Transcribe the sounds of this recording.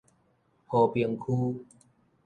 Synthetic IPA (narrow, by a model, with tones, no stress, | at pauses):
ho˨˩pi˧əŋkʰu˦